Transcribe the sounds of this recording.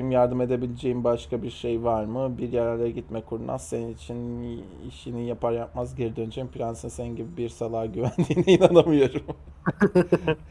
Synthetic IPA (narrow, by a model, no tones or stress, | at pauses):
imjaɾd̪ɯme̞d̪e̞bilʲed͡ʒejimbaʃkabiɾʃejvaɾmɯbiɾjɛɾæɾlʲɛɟit̪mɛkʰuɾunʔa̰z̥se̞ninit͡ʃʰin | ḭʃinijapʰaɾjap̚mazɟeɾid̪ø̞nd͡ʒejimpʰɾʲansɯnseninɟibibiɾsalˠaːɟyvænd̪iːnɛinanamɯjo̞ɾum